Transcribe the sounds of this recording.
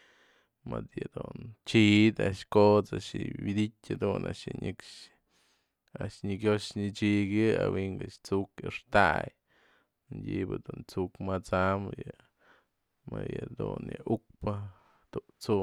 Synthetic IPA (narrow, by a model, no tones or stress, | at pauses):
mad̪jɨd̪unt͡ʃid̪aʔʃkot͡saʔʃɨwid̪itʲad̪unaʃjɨɲɨkʂ | aʔʃɲɨɡʲoʂɲɨt͡ʃiɡʲɨawiŋɡat͡ʃt͡sukɨʂt̪aj | mɨɲdʲibɨd̪unt͡sukmat͡samjɨ | mɨjɨd̪unjɨʔuk̚pɨ | t̪uʔt͡su